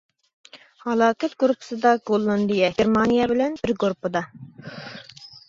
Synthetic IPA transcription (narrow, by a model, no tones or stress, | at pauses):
hɑlˠɑːkɛt̪ɡuɾupʰɨ̥sɨd̪ɑɡolˠːɨnd̪ɨjɛeɾmɑnijɑbɪlɛnbɪɾɡuɾupɨd̪ɑ